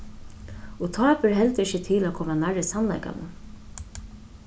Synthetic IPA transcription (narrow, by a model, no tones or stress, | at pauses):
ɔt̪ʰɑːpʏɹɦɛlt̪ɪçət̪ʰɪlakʰɔːmanaɹɪsanla̰jka̰nə̰